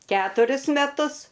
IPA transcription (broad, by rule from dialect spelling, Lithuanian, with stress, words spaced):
ˈkʲæːtʊrʲʊs mʲɛˈtʊs